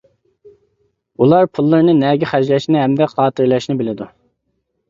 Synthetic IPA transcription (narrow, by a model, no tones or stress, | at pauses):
ulˠɑɾpʰulˠːɨɾnɨnɛɡʲiχæʒlæʃnɪɦɛmd̪ɛqʰɑːt̪ʰɨɾlˠɛʃnɪbɪlɪd̪u